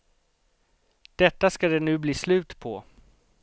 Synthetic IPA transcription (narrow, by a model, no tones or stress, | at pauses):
d̪̥ɛt̪ːaskad̪ɛnʉ̟ːbliːslʉ̟ːt̪pʰɔ